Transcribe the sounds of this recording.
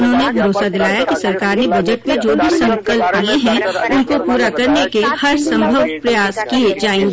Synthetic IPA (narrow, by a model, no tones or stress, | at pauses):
ʊnɦõnebʱɐɾoːsad̪ɪlaːjakisɐɾkaːɾnebɐd͡ʒəʈmẽd͡ʒoːbʱisɐ̃ŋkəlpːaɦeɦɛ̃ʊnkopuːɾakɐɾnekehɐɾsɐ̃mbʱəʋpɾɐjaːskied͡ʒaːĩː